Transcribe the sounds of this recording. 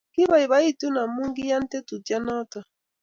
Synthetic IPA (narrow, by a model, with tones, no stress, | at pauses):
ki˦βa˨i˨βa˦i˦˨tu˦na˨mu˦ŋ˦ɡi˦ja˦n̩˦te˦tu˨tja˦nɔ˦ta˨